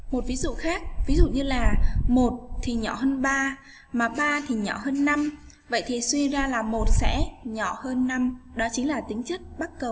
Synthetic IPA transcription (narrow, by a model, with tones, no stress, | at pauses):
mo˨˩t̚vi˨˦zṵ˧˨xaː˦˥k̚vi˨˦zṵ˧˨ɲɨ˧laː˨˩mo˨˩t̚t̪ʰi˨˩ɲɔ˧˩ɦəː˧nɓaː˧ | maː˨˩ɓaː˧t̪ʰi˨˩ɲɔ˧˩həː˧nːa˧m | və̰˧˨jt̪ʰi˨˩swi˧zaː˧laː˨˩mo˨˩t̚sɛ̰˧˥ɲɔ˧˩həː˧nːa˧mɗɔ˨˦t͡ɕï˨˦ŋ̟laː˨˩t̪ï˨˦ŋ̟t͡ɕə˦˥t̚ɓa˦˥t̚kə˨˩w